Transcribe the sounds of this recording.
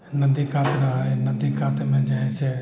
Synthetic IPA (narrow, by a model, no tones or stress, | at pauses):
nɐd̪ikaːt̪ɾɐɦanɐd̪ikaːt̪mẽd͡ʒaɛse